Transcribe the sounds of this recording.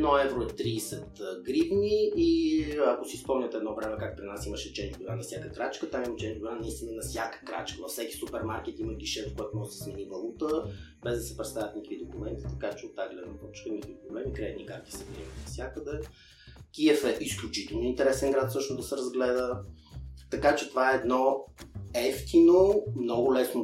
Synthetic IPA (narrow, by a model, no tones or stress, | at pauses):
ɛnɔɛvɾoɛt̪ɾiːsɛt̪ɡɾibniː | ɐkosispɔmɲʲət̪ɛːd̪nɔvɾɛmɛkak̚pɾinasiməʃɛt͡ʃɛb̪ʊɾanɐfsʲakəkɾat͡ʃkət̪amimɐt͡ʃɛnʲb̪ʊɾanɐist̪inənɐfsʲjakə̥kɾa̰t͡ʃkəvɐfsɛkʲi̥supɛɾmaɾk̟ɛt̪iməɡiʃɛfkoɔat̪omɔʒd̪ɛsmɛnibɐlˠut̪ə | bɛzd̪ɐsɛpɾɛt̪st̪avʲət̪nʲikəvid̪okumɛnt̪i̥t̪ɐkat͡ʃɛot̪ːaɡlɛd̪nɐp̪ɔt͡ʃkənʲikvipɾoblɛmikɾɛɛt̪nikaɾk̪i̥sɛvɛmənɐfsʲjakəd̪ɛ | kʲiɛfɛʔisklʲʊt͡ʃit̪ɛlˠnoint̪ɛɾɛsɛnɡɾat̪sɤʃnozd̪ɐsɛɾəzɡlɛd̪ə | t̪ɐkat͡ʃɛt̪ovaɛːd̪nɔ | ɛft̪inomnɔɡʊlɛsno